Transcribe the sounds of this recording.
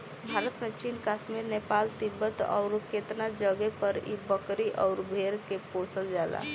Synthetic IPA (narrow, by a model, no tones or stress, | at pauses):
bʱaɾət̪mẽt͡ʃinkaʃmiɾnepalt̪ibːət̪ɔ̰ʊɾket̪nad͡ʒəɡɛpəɾḭbəkɾiʔɔʊɾbʱeɾkeposəld͡ʒala̰